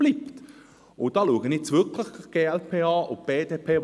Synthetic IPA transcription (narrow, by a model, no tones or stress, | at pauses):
b̥lipt | ʊd̥ɑːluəɡənɛt͡svʏkləχɡ̥eːɛlpʰeːɑːʔʊb̥eːdeːpʰeː